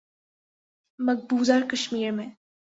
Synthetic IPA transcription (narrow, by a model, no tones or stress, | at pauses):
mɐɡ̚buːzaːɾkɐʃmiːɾmẽ